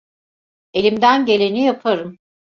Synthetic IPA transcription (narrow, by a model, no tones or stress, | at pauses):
e̞lʲimd̪ænɟe̞lʲe̞nijapʰaɾɯm